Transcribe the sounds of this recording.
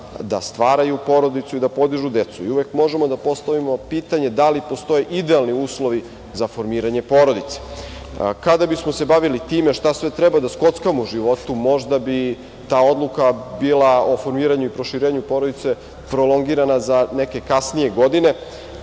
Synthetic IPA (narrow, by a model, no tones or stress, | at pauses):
d̪a̰st̪ʋaːɾajupo̞ːɾo̞d̪it̪suid̪apo̞d̪iʒud̪e̞t̪suiuʋekmo̞ʒemo̞d̪apo̞st̪aʋimo̞piːt̪aɲe̞d̪alipost̪o̞jeʔid̪ealniuːslˠo̞ʋi | zafo̞ɾmiːɾaɲe̞po̞ːɾo̞d̪it̪se̥ | kad̪abismo̞se̞baʋilit̪iːme̞ʃt̪asʋet̪ɾebad̪asko̞t̪skamouʒiʋo̞t̪umo̞ʒd̪abi | t̪aːo̞d̪lˠukabilˠao̞fo̞ɾmiːɾaɲuipɾo̞ʃiɾeːɲupo̞ːɾod̪it̪se̞ | pɾo̞lˠo̞ŋɡiɾanazaneke̞kasnije̞ɡo̞d̪ine̞